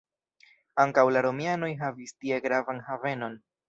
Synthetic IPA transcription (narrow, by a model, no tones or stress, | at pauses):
aŋkawlaɾo̞miano̞jɦavistie̞ɡɾavanhave̞no̞n